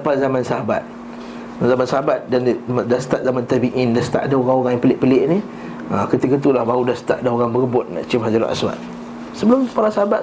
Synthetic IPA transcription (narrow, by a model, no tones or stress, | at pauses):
pazamãnsaɦaba̰t̪̚ | zamansaɦabat̪̚dandast̪aʔ̚zamant̪abiʔindast̪a̰ʔadaoɣaŋoɾaŋjaŋpəlɪʔpəlɪʔni | akət̪ikət̪ulahbaudast̪aʔadaoɣaŋbəɾəbʊt̪̚nã̰ʔt͡ʃəmɦad͡ʒaɾṵnʔa̰swa̰t̪̚ | səbəlʊmpaɾasaɦabat̪